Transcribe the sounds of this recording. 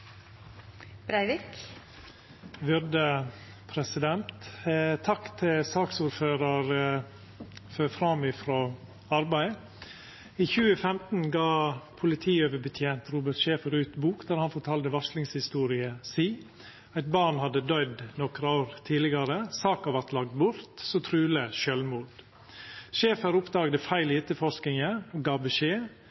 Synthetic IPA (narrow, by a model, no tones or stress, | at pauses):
b̥ɾæɪʋik | ʋʏɾd̪ə | pʰɾɛsɪd̪ɛnt̪t̪ʰɑkt̪ʰɪlsɑːksuːɾføːɾɑɾ | føːfɾɑmɪfɾoː | ɑɾbæɪ | iːçʉːəfɛmt̪n̩ɡɑːpʰʊlɪt̪ʰiːøːʋəbət̪ʰjeːnt̪ɾuːbəʈʃeːfəɾʉːt̪buːkd̪æɾhɑnfɔʈʰɑld̪əʋɑʂlɪŋshɪst̪uːɾɪəsiː | æɪt̪̚bɑɾɳhɑd̪əd̪œʏd̪nɔkɾɑoːɾt̪ʰiːlɪɡɑɾəsɑːkɑʋɑɾt̪lɑɡ̚d̪bʊɾt̪sɔt̪ʰɾʉːləʃœlmuːd̪ | ʃeːfɑɾʊpd̪ɑːɡd̪əfæɪlɪɛt̪ːəfɔʂknɪŋəoɡɑːbəʃeː